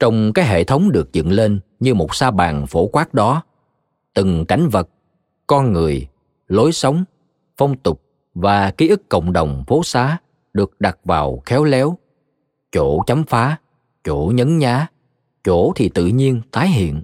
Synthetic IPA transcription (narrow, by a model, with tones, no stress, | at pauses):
t͡ɕə˧wŋ͡mkaː˨˦jɦḛ˧˨t̪ʰə˨˦wŋ͡mɗɨ˨˩ək̚zɨ̰˧˨nle˧nɲɨ˧mo˨˩t̚saː˧ɓa̰ː˨˩ŋfo˧˩kwaː˦˥k̚ɗɔ˨˦ | t̪ɨ˨˩ŋka˧˩jŋ̟və˨˩t̚ | kɔ˧nŋɨ˨˩əj | lo˨˦jsə˨˦wŋ͡m | fə˧wŋ͡mt̪ʊ˨˩k͡p̚ | vaː˨˩ki˨˦ʔɨ˦˥kːə̰˧˨wŋ͡mɗə˨˩wŋ͡mfo˨˦saː˨˦ | ɗɨ˨˩ək̚ɗa˨˩t̚vaː˨˩wxɛ˨˦wlɛ˨˦w | t͡ɕo˧˩˨t͡ɕa˨˦mfaː˨˦ | t͡ɕo˧˩˨ɲə˨˦nɲaː˨˦ | t͡ɕo˧˩t̪ʰi˨˩t̪ɨ̰˧˨ɲi˧ənt̪aː˨˦jɦḭ˧˨ən